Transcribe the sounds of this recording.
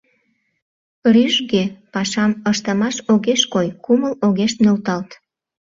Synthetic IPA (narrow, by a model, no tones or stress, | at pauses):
ryʒɣepɑʃɑməʃt̪əmɑʃoɣeʃkojkuməloɣeʃt̪nølt̪ɑlt̪